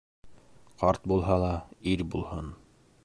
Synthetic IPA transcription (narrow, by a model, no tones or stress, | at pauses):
qɑɾt̪̚bulˠɦɑlˠɑiɾbulˠhɤn